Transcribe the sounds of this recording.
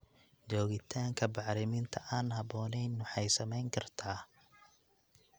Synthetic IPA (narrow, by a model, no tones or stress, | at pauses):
t͡ʃɔːɣɪt̪ʰaːŋkʰɐbɑʕɾɪmɪnt̪ʰɐʔaːnɦɐbɔːnɛjnːʊħɑjsɐmɛjŋkʰɐrt̪ʰaː